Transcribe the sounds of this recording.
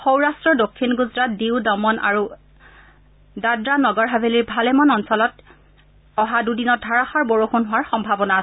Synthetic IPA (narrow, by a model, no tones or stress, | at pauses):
xowɹastɹɔdokʰːinɡuzɹat̚diwdɔmɔna̰ɹu | dadɹanɔɡɔɹɦabʱeliɹbʱalɛmɔnɔnsɔlɔt | ɔɦadudinɔt̚dʱaɹaxɔɹboɹoxunɦʊwaɹxɔmbʱabɔnaːsɛ